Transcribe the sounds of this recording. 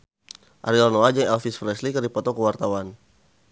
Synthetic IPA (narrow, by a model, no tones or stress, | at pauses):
ʔa̰ɾilɔnɔad͡ʒaŋɛlfisflɛslikərdipɔt̪ɔkəwart̪awan